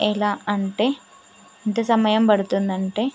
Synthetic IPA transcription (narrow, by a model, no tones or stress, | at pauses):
ilaːɐɳʈe̞ː | int̪ɐsɐmɐjɐmpɐɽut̪und̪ɐɳʈe̞ː